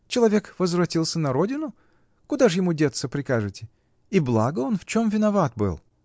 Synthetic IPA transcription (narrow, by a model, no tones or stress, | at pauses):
t͡ɕɪlˠɐvʲe̞kvəzvɾɐtʲilˠsʲənɐɾo̞dʲɪnʊ | kʊd̪aʐjɪmudʲet̪səpɾʲɪkaʐɨtʲɪ | iblˠa̰ɡəo̞nft͡ɕo̞mvʲɪnɐvat̪̚bɨ̰lˠ